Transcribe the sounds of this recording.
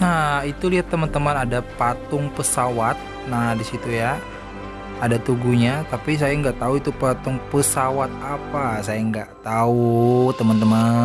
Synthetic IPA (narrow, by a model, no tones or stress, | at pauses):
nait̪uliɦat̪ːəmant̪əmanadapat̪ʊŋpəsawat̪̚ | nahdisit̪ujaː | dat̪uɡuɲat̪apis̬ajaŋɡaʔt̪auit̪upat̪ʊŋpəsawat̪̚apasajaŋɡaʔt̪aut̪əmant̪əma